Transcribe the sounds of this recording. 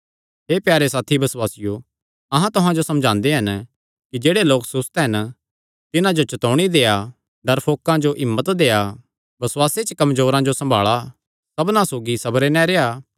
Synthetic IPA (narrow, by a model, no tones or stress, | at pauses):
ɦeːpjaːɾesaːt̪ʰibɐswaːsɪjo | ɐɦãt̪ʊɦãd͡ʒosɐ̃md͡ʒʱãːnd̪eɦɐn | kid͡ʒeːɽeloːksʊst̪ːɦɐn | t̪ɪnãd͡ʒot͡ʃɐt̪ɔːɽ̃id̪eːa | ɖɐɾpʰoːkãd͡ʒoʔɪmːət̪d̪eːa | bɐswaːset͡ʃəkɐmzoːɾãd͡ʒosɐ̃mbʱa̰ːɭa | sɐbnãsoːɡisɐbɾenɛ̃ɾeːaː